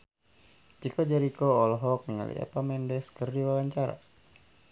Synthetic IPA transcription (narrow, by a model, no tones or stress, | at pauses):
d͡ʒikɔd͡ʒaɾikɔːlɔɦɔk̚niŋa̰lḭa̰pamɛndɛskərdiwawaɲt͡ʃaɾa̰